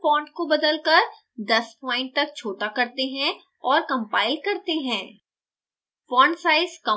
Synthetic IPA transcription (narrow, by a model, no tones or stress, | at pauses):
pɔ̃ːɳʈkobɐd̪əlkɐɾ | d̪ɐspɔ̃ːɪ̃ɳʈ̚t̪ɐk̚t͡ʃʰoːʈakɐɾt̪eɦɛ̃ | ɔːɾkɐ̃mpaːɪlkɐɾt̪eɦɛ̃ː | pɔ̃ːɳɖsaːɪzkɐ